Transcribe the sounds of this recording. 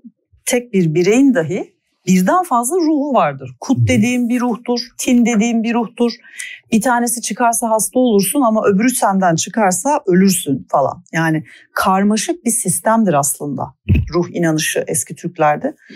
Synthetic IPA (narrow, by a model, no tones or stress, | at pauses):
t̪ʰɛc̚biɾbiɾe̞jind̪aɦɯ | biɾd̪ænfazlˠaɾuːhumvaɾd̪ɯɾ̥kʰut̪̚d̪e̞d̪iːmbiɾuht̪uɾ̥t̪ʰind̪e̞d̪iːmbiɾuht̪uɾ̥b̥it̪ʰaːne̞sit͡ʃʰɯkʰaɾsaɦast̪ʰao̞lˠuɾsunamaʔø̞byɾysænd̪ænt͡ʃʰɯkʰaɾsaø̞lʲyɾsynfalˠa̰njaːnɪ | kʰaɾmaʃɯk̚bisist̪ʰæmd̪iɾaslˠɯnd̪a̰ɾuhinanɯʃɯʔɛscʰit̪ʰycʲlʲæɾd̪ɪ